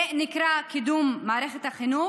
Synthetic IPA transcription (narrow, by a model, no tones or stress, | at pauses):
nɪkɾakid̪uːmːaʕɾexet̪haχinuː